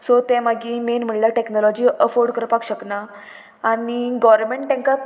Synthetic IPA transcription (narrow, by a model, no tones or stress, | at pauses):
sot̪ɛ̃maɡiːmenm̤əɳlaʈeknɔlɔd͡ʑiːəfoɾɖkəɾpakɕəknaː | niɡɔʋɾmeɳʈːɛ̃ŋka